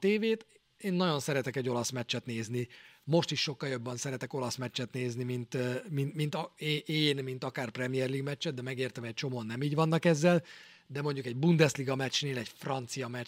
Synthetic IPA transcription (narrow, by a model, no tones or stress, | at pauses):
t̪eːveːt̪ | eːnːɒɟo̞nsɛɾɛt̪ɛkɛɟːo̞lɒsmɛt͡ʃːɛt̪neːznimo̞ʃt̪iʃːʃo̞kːɒljo̞bːɛnsɛɾɛt̪ɛko̞lɒsmɛt͡ʃːɛt̪neːznimint̪minmint̪ːeːnmint̪ɒkaːrprɛmijɛrliːɡmɛt͡ʃːɛd̪̚d̪ɛmɛɡeːrt̪ɛmɛc̚t͡ʃo̞moːnːɛmiːɟvɒnːɒkɛzːɛl | d̪ɛmo̞ɲɟukɛɟbund̪ɛsliɡɒmɛt͡ʃneːlɛcfrɒnt̪sijɒmɛ